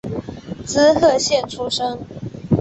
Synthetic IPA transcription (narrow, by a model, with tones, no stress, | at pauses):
t͡sɹ̩˥xɤ˥˧ɕjɛ˥˨nʈ͡ʂʰu˥ʂɤ˥ŋ